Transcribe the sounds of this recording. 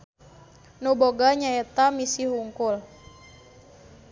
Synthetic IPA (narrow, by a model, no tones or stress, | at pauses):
nuboɡaɲaɛt̪amisiɦuŋkul